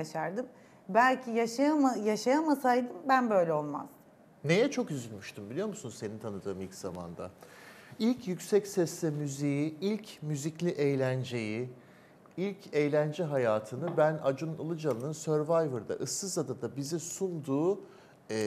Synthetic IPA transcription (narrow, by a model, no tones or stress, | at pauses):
aʃaɾd̪ɯm | bælʲcʰijaʃaamajaʃajamasajd̪ɯmbænbø̞jlʲɛo̞lˠma̰z̥ | ne̞jɛt͡ʃʰo̞kyzylʲmyʃt̪ymbilʲijo̞ɾmusunuzse̞nint̪ʰanɯd̪ɯːmilʲcz̥ama̰nd̪a̰ | ilʲcjycsɛcsɛsːɛmyzijiilʲcmyziclʲiʔejlʲænd͡ʒe̞ji | ilʲcʰejlʲænd͡ʒɛɦajaːt̪ʰɯnɯbænad͡ʒunulˠɯd͡ʒalˠɯnɯnsøɾvajvɯɾd̪a̰ʔɯsːɯzad̪ad̪abizisund̪uː